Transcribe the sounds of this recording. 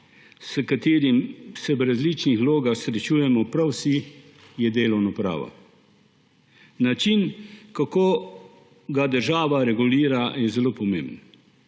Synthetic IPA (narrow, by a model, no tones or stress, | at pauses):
səkat̪eːɾimsɛʋɾazlit͡ʃnixloːɡaxsɾɛt͡ʃuːjɛmɔpɾawsi | jɛd̪eːlɔwnɔpɾa̰ːʋɔ̰ | nat͡ʃinkakoː | ɡad̪əɾʒaːʋaɾɛɡuliːɾajɛzɛloːpɔmḛːmbn